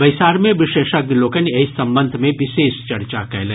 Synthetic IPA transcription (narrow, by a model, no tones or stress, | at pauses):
bɐɪsaːɾmẽʋɪʃeːʃɐɡ̚d̪iloːkəneɪsɐ̃mbə̃nd̪ʱmẽʋɪʃeːʃt͡ʃɐɾt͡ʃakɛ̰ːlẽ